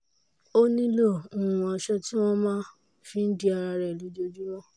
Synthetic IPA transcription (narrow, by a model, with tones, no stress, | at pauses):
o˦nĩ˦lõ˦˨ũ˨˧a˧ʃɛ˧ti˦w̃ɔ̃˦mãː˦ | fĩ˦n̩˦di˦a˧ɾa˧ɾɛ˨lu˨˦d͡ʒo˧d͡ʒi˦w̃ɔ̃˦˨